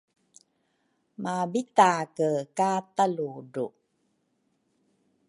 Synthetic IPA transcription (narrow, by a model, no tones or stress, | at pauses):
mabitakəkataluɖu